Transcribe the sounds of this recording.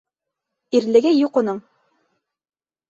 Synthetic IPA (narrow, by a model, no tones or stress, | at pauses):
iɾlɘ̆ɡɘjuqŏnɤɴ